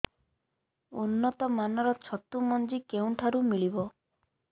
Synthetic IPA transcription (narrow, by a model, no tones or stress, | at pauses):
unːɔt̪ɔmanɔɾɔt͡ʃʰɔt̪umɔnd͡ʒikeuɳʈʰaɾumiɭibɔ